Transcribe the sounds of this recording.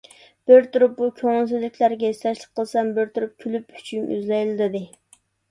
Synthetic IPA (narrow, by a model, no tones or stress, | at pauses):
b̥ɪɾt̪ʰuɾɨp̚bukʲʰøŋɪlˠs̬yzlːɪkʲlæɾɡʲɛist̪ɛʃlˠək̚qʰːəlˠsɛmbɪɾt̪ʰuɾup̚kʲʰylypy̥t͡ʃʰyny̰zlɛjlɪlɨd̪ɨ